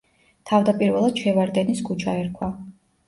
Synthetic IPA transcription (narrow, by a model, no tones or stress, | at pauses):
t̪ʰavd̪apʼiɾvɛlˠad̪̥ʃɛvaɾd̪ɛniskʰut͡ʃʰaɛɾkʰwa